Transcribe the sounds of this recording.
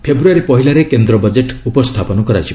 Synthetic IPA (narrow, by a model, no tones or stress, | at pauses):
pʰebɾuaɾipɔɦilaɾekend̪ɾɔbad͡ʒeʈupɔst̪ʰapɔnɔkɔɾa̰t͡ʃʰi